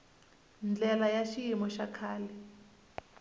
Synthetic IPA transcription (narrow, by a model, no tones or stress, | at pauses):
nd͡ɮɛlajaʃijimɔʃakʰaːlɛ